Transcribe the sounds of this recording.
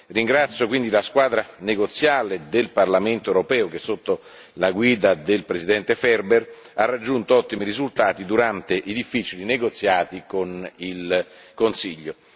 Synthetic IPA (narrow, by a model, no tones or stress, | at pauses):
riŋɡɾat̪sːjokwind̪ilaskwaːd̪ɾaneɡot̪sːjaːled̪elparlament̪oeɾopɛːok̟esːot̪ːo | laɡwiːd̪ad̪elpɾezid̪ɛnt̪efɛrber | arːad͡ʒːunt̪oɔt̪ːimiɾizult̪aːt̪id̪uɾant̪eʔid̪ifːit͡ʃilineɡot̪sːjaːt̪ikonilkonsiʎːo